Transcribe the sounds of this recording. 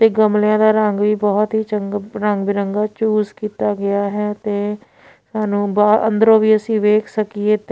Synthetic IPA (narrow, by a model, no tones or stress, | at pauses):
t̪eːɡəmljãːd̪aːɾəŋɡʋiːbɔːt̪ɦiːt͡ʃəŋɡɾəŋɡbɪɾəŋɡaːt͡ʃuːzkiːt̪aːɡɪaːɦɛːt̪eː | saːnũːbaːʔə̰nd̪əɾõːʋiːəsĩːʋeːkʰsəkieːt̪ː